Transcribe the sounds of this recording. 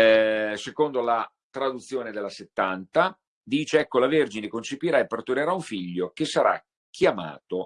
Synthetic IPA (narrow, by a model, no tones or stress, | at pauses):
sekond̪ola | t̪ɾad̪ut̪sːjoːned̪elːaset̪ːant̪a | d̪iːt͡ʃeɛkːolaverd͡ʒinekont͡ʃepiɾaepːert̪uɾeɾauɱfiʎːok̟esaɾa̰ | k̟ʰːjama̰ːt̪o